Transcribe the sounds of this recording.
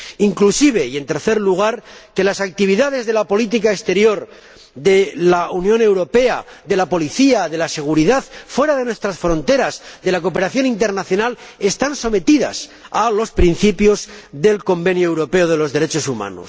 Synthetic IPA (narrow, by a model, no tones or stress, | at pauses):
iŋklusiβ̞e̞ie̞nt̪e̞ɾθe̞ɾluɣ̞aɾke̞lasak̚t̪iβ̞iðaðe̞zðe̞lapo̞lit̪̬ikaest̪e̞ɾjo̞ɾ | ðe̞launjõ̞ne̞wɾo̞pe̞aðe̞lapo̞liθiaðe̞lase̞ɣ̞uɾiðaðfwe̞ɾaðe̞nwe̞st̪ɾasfɾo̞nt̪e̞ɾazðe̞lako̞pe̞ɾaθjo̞nint̪e̞ɾnaθjo̞nale̞st̪anso̞me̞t̪iða̰salo̞spɾin̟θipjo̞zðe̞lko̞mbe̞njoewɾo̞pe̞oð̞e̞lo̞zðe̞ɾe̞t͡ʃo̞suma̰no̰s